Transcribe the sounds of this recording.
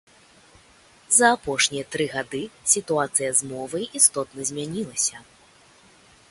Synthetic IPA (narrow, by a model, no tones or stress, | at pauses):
zɐːpɔʂnʲijɐt̪ɾɨɣad̪ɨsʲit̪uat̪sɨjɐzmɔvɐjist̪ɔt̪nɐzʲmʲanʲilˠɐsʲɐ